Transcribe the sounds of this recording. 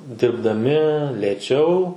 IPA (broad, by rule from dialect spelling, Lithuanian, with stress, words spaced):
dʲɪrbdɐˈmʲɪ lʲeːˈt͡ʃʲɛʊ